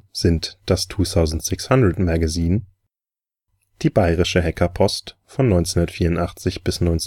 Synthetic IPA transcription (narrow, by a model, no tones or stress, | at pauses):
z̥ɪntd̥astʰuːθaʊzn̩tz̥ɪkshandʁətmaɡaziːn | d̥iːbaɪʁɪʃəɦɛkʰɐpʰɔst | fɔnːɔʏnt͡sehundɐtfiːɐʊntʔaχt͡sɪçb̥ɪsnɔʏnt͡s